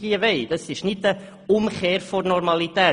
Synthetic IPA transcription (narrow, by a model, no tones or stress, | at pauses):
iəʋɛɪd̥ɑsɪʃnɪtə | ʊmχeːɾfɔnɔɾmɑlit̪ɛː